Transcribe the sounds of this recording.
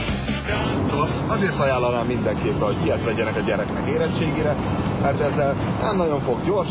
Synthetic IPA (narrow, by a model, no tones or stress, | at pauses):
aːot̪oːl | ɒzeːrt̪ɒjaːlːɒnaːmːind̪ɛŋkeːpːɛɦoɟiɛt̪ʋɛɟɛnɛkɒɟɛɾɛknɛkeːɾɛt͡ʃːeːɡeːɾɛ | mɛrt̪ɛzːɛl | ɛnnɒɟo̞ɱfo̞ɡɟo̞rʃ